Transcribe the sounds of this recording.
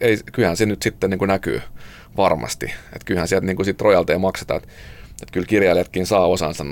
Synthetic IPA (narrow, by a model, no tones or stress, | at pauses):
eikylhænsenyt̪sit̪ːeniːŋkunæky̰ː | ʋɑrmɑ̰st̪ḭḛt̪kylhænsiælt̪niːŋkusit̪rojɑlt̪eimɑkset̪ɑ̰et̪ | et̪kylkirjɑiliɑt̪kinsɑːosɑ̰nsɑn